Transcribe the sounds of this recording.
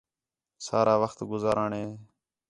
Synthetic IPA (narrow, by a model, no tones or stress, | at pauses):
saːɾaːʋəxt̪ɡʊzaːɾaːɳeː